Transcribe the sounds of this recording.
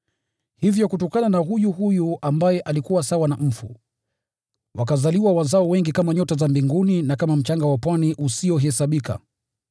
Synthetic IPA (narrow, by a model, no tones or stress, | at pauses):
hivjɔkutɔkananaɦujuɦujuʔambajɛʔalikuwasawanam̩fṵ | wakazaliwawazaɔwɛŋɡikamaɲɔtazambiŋɡuninakamam̩t͡ʃaŋɡawapwaniʔusiɔɦɛsaɓika̰